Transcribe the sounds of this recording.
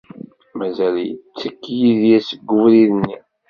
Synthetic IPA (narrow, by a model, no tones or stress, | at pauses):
mæzæljət͡sːəkːjiðjæsəɡːʊvliðənːi